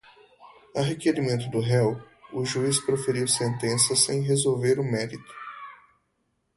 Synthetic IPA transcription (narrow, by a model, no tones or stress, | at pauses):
aɦekeɾimẽnt̪ʊd̪ʊɦɛw | ʊʒuispɾofeɾiwsẽnt̪ẽsɐsẽj̃ɦezowveɾʊmɛɾit̪ʊ̥